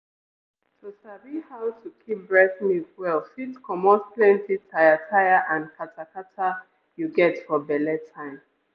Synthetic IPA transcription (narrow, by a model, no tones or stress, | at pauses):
tʰosabihaʊtʰukʰip̚bɹɛθnikwɛlfitkʰɔmɔsplɛ̃ntʰitʰaɪatʰajaʔãnkʰatʰakatʰa | juɡɛtfɔbɛlɛtʰãɪ̃m